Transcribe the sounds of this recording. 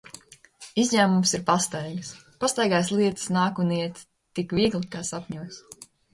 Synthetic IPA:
izʲɲæːmumsiɾpast̪ajɡspast̪ajɡaːjslˠiɛt̪ɨ̥snaːkuniɛt̪ | t̪ːikviɛɡlˠikaːsapʲɲuɔs

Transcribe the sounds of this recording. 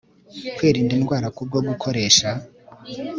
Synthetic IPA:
kwiːɾiːndinɡwaːɾakub̚ɡoɡukʰo̞ɾe̞ːʃa

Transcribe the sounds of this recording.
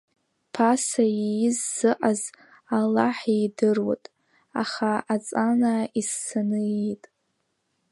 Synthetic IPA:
pʰasajijɪzːɨʔaz | alaħidɨrwa̰tʼ | a̰χaat͡sʼanaizːanɨejtʼ

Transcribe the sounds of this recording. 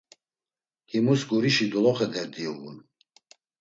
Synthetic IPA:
himusɡuɾiʃid̪ɔlɔχɛd̪ɛɾd̪iɣṵn

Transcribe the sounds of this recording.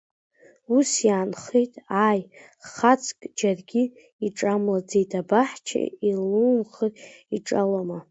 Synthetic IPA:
usjaːnχejtʼaj | χat͡sʰʼkʼd͡ʒarɡʲi | iʈ͡ʂʼamlad͡zejtʰabaħt͡ʃʰa̰ilumχəriʈ͡ʂʼaloma

